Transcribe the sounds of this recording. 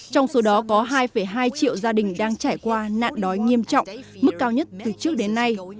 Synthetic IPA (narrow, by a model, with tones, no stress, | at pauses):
t͡ɕɔ˧wŋ͡mso˨˦ɗɔ˨˦kɔ˨˦ɦaː˧jfə˧˩jɦaː˧jt͡ɕḭ˧˨əwzaː˧ɗï˨˩ŋ̟ɗaː˧ŋt͡ɕaː˧˩jkwaː˧na̰ː˧˨nɗɔ˨˦jŋi˧əmt͡ɕɔ̰˧˨wŋ͡mmɨ˦˥k̚ːaː˧wɲə˦˥t̚t̪ɨ˨˩t͡ɕɨ˦˥ək̚ɗe˨˦nːa˧j